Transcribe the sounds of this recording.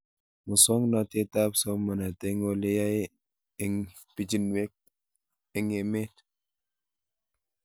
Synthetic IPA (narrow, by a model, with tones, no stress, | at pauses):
mu˨sɔ˦ŋnɔ˨te˦ta˦pso˦ma˨na˨te˦ŋo˦le˦ja˦j | e˦ŋ | pi˨d͡ʒi˦nwe˦k̚ | ɛ˨ŋe˨me˦t